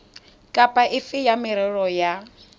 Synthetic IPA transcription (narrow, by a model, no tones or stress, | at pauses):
kʼapʼaʔɪfɪjamɪɾɛɺɔja